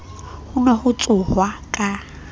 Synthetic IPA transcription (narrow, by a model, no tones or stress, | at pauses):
hʊnɔhʊt͡sʼʊhwakʼa